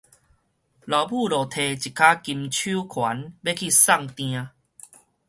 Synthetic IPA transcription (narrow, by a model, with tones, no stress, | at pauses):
la˨˩ʊbu˥˧˨lɔ˨˩t̪ʰe˧˩t͡ɕi˨˩kʰa˦ki˧mt͡ɕʰu˦kʰwa˨˦nbe˦kʰi˥˧sa˥˧ŋt̪j̃ã˧